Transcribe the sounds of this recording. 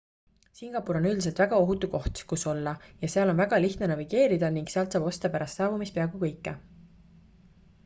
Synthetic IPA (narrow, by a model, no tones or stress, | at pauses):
siŋɡ̥ɑpːuɾo̞nyld̪ise̞lt̪væɡ̥ɑo̞ɦut̪ːuko̞ht̪kuso̞lːɑjɑseɑlo̞nvæɡ̥ɑliht̪ne̞nɑviɡ̥e̞ːɾid̪̥ɑniŋɡ̥seɑlt̪sɑːb̥o̞st̪ɑpæɾɑst̪sɑːvumispeɑɡ̥ukɤjkːe